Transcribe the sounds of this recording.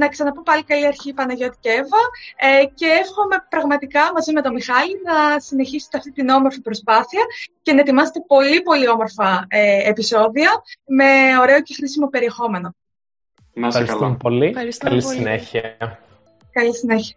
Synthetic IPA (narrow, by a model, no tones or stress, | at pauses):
nɐksɐnɐpumpɐlikɐliɐɾçiːpɐnɐʝo̞t̪i̥cevɐce̞efxo̞me̞pɾɐɣmɐt̪ikɐmɐzime̞t̪o̞mixɐlinɐsine̞çiset̪eɐft̪it̪ino̞moɾfipɾo̞spɐθiɐce̞nɐet̪imɐse̥t̪e̞po̞lipo̞lio̞mo̞ɾfɐeepiso̞ðiɐme̞o̞ɾe̞o̞ce̞xɾisimo̞pe̞ɾie̞xo̞me̞no̞ | fxɐɾisst̪umpoliɾisɐlisineçiɐ | kɐlisineçiɐ